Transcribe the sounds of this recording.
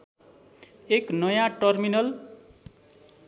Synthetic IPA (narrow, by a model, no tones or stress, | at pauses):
eknʌjãʈʌrminʌl